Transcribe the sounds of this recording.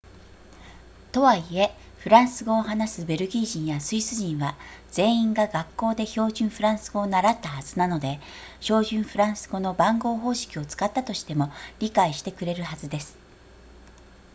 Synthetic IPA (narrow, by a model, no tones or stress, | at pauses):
t̪o̞βaie̞ | ɸɯ̟ɾãɰ̃sɨɡo̞ːɦanasɨbe̞ɾɯ̟ɡʲiːʑĩɰ̃jasɨisɨʑĩɰ̃βad͡z̥ẽ̞ːĩŋɡaɡakːo̞ːd̪e̞ço̞ːʑɨ̃ɰ̃ɸɯ̟ɾãɰ̃sɨɡo̞ːnaɾat̪ːahaz̥ɨnano̞d̪e̞ | ɕo̞ːʑɨ̃ɰ̃ɸɯ̟ɾãɰ̃sɨɡo̞no̞bãŋɡo̞ːɦo̞ːɕi̥kʲio̞t͡sɨ̥kat̪ːat̪o̞ɕi̥t̪e̞mo̞ɾʲikaiɕi̥t̪e̞kɯ̟ɾe̞ɾɯ̟hazɨd̪e̞sɨ̥